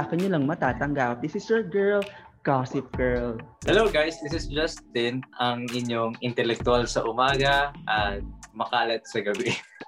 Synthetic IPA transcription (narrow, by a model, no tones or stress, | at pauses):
akɐɲolɐŋmɐt̪aːt̪ɐŋɡap̚d̪ɪsɪsɛɹɡɛɹlɡ̥asɪp̚ɡɛɹlhɛlowɡajsd̪ɪsɪsd͡ʒɐst̪̚ɪnɐŋʔɪɲjoŋɪnt̪ɛlɛk̚t̪ʊalsɐʔʊmaːɡɐʔɐt̪̚mɐkaːlɐt̪̚sɐɡɐbɪ